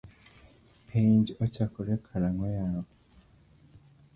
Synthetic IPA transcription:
pʰeɲɟocakoɾekʰaɾaŋojawo

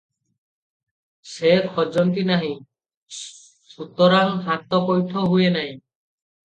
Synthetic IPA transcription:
sekxɔd͡ʒɔnt̪inaɦĩ | sut̪ɔɾaŋɦat̪ːɔkɔjtʰɔɦujenaj̃

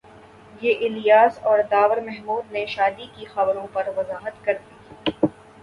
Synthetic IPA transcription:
jeːʔɪlijaːsɔːɾd̪aːʋəɾmɛɦmuːd̪neʃaːd̪ikixɐbɾõpɐɾʋɐzaːɦət̪kɐɾd̪iː

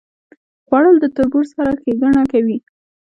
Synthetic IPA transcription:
ɣwɑɽəld̪ət̪ʊɾbuɾsaɾaxeɡaɳakawi

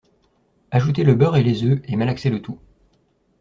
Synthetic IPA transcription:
aʒut̪̬eləbœʁelezøemalakselət̪u

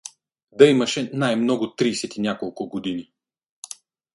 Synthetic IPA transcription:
d̪ɐimɐʃɛnajmnɔɡʊt̪ɾiːsɛt̪inʲakolˠkʊɡod̪ini

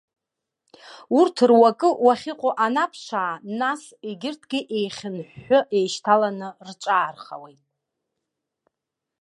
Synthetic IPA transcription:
urtʰrwakʼɨwaχʲɪqʷʼoʔanapʰʂʷaːnas | eɡʲɪrtʰɡʲɪʔejχʲɪnħːʊʔe̞jʃtʰalanɨrt͡ʃʷʼaːrχa̰wejtʼ

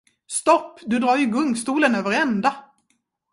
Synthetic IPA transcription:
st̪ɔpːd̪ɵd̪ɾɑːɾjɵɡɵŋst̪uːlənøːvəɾɛnd̪a

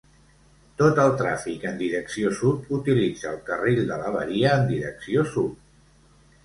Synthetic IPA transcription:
t̪ot̪əlˠt̪ɾa̰fikənd̪iɾəksiosup̪ut̪ilid͡zəːlˠkəriʎd̪ələβ̞ə̰ɾiəːnd̪iɾəksiosup

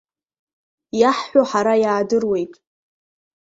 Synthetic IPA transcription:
jaħːʷoħaɾajaːdɨrwe̞jtʼ

